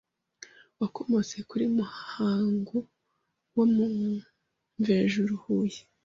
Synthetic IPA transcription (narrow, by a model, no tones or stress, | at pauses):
wakomo̞ze̞kuɾimuhaːŋɡo | womu | ɱveːʒuɾuhuje